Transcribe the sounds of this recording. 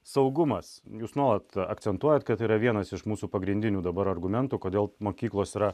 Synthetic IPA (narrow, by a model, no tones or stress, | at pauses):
sɐʊɡʊmɐsjuːsnuɔlˠɐt̪ɐ̰kt̪sʲɛnt̪uɔjɛt̪kɐt̪iːɾɐʋʲiɛnɐsɪʃmuːsuːpɐɡɾʲɪnʲd̪ʲɪnʲuːd̪ɐbɐɾɐɾɡʊmʲɛnt̪uːkoːd̪ʲeːlˠmoːkʲiːklˠoːsiːɾɐ